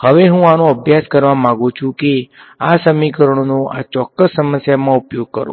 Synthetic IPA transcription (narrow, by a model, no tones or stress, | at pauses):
həʋeɦũanoəbʱjaskəɾʋamãɡũt͡ʃʰũke | asəmikəɾəɳ̃onoʔa̰t͡ʃɔkːəsːəməsjamãupjoɡ̚kəɾo̰